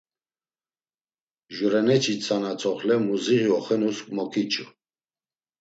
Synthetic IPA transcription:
ʒuɾɛnɛt͡ʃʰit͡sʰanat͡sʰʼɔχlɛmuziʁiɔχɛnuskʼmɔkʰʼit͡ʃʰʼu

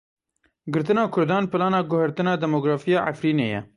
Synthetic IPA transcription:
ɡɨɾt̪ɨnɑːkʰʊɾd̪ɑːnpɨlɑːnɑːɡʊhɛɾt̪ɨnɑːd̪ɛmoːɡɾɑːfijɑːʔa̰fɾiːnḛːjɛ̰

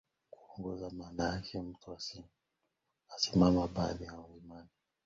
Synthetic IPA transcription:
kuɔŋɡɔzamaːnajakʰɛm̩tuasi | asimamaɓaðijaimani

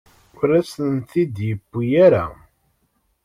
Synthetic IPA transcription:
ʊɾæsənt̪id̪jəbːijæɾa̰

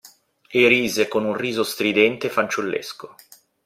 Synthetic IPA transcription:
eɾiːzekonunriːzost̪ɾid̪ɛnt̪efant͡ʃulːḛsko

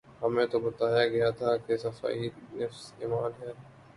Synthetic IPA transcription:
hɐmẽt̪obɐt̪aːjaɡɐjat̪ʰakesɐfa̰ːinɐfsḛːmaːnɦɛː

